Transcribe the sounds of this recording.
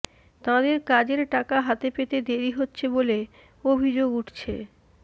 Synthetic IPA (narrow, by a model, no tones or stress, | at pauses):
t̪ãd̪eɾkad͡ʑeɾʈakaɦat̪epet̪ed̪eɾiɦotːɕʰebole | obʱid͡ʑoɡuʈʰt͡ɕʰe